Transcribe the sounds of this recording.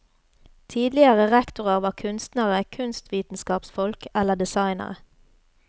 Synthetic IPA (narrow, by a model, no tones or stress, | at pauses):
t̪ʰiːd̪lɪəʁəʁɛkt̪ʊʁəʁʋɑːʁkʰʉnst̪nəʁəkʰʉnst̪ʋiːt̪n̩skɑːpsfɔlkɛləd̪ɛsɑɪnə̰ʁə